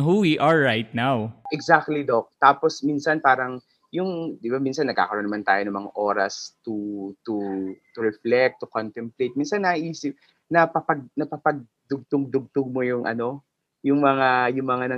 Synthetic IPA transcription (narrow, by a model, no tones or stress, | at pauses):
huwiʔaɹːajt̪̚nawʔɛɡzak̚t̪lid̪o̞k̚t̪aːposminsɐnpaːɾɐŋ | jʊŋd̪ɪbamiːnsɐnːɐɡka̰ːkɐɾo̞nɐmant̪aːjo̞nɐŋmɐŋa̰ʔo̞ːɾɐ̰st̪ut̪ʊt̪ʊɹɛflɛk̚t̪ːʊkont̪ɛmplejt̪̚miːnsɐnːɐʔiːsɪp̚ | nɐpɐpɐɡ̚nɐpɐpɐɡ̚ | d̪ʊɡ̚t̪ʊŋd̪ʊɡ̚t̪ʊɡ̚mojʊŋʔɐ̰no̞ | jʊŋmɐŋajʊŋmɐŋanɐ